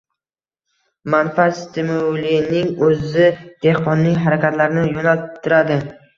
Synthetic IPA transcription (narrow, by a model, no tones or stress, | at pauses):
manfast̪ʰɪmulinɪŋɵzɪd̪̥e̞hqɒnːɪjɦaɾakʲʰat̪laɾnɪjonalt̪ʰːɪɾad̪ɪ